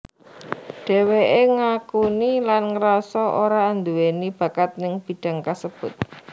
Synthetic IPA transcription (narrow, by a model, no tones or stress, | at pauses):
ɖ̥e̤weʔeŋakunilanŋəɾɔsɔʔoɾaːnd̪uwenib̥a̤kat̪̚nɪŋb̥i̤ɖ̥ä̤ŋkasəb̥ʊt̪̚